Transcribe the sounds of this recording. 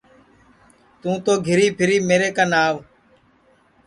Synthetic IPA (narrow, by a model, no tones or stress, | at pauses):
t̪ũːt̪oːɡʱɪɾiːpʰɪɾiːmeːɾeːkanaːʋ